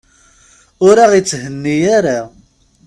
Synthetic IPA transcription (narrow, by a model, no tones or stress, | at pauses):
ʊɾaʁit͡sːɦənːijaɾa